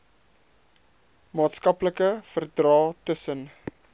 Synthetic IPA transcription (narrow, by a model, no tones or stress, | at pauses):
mɑːtskɐpləkəfərdrɑːtəsən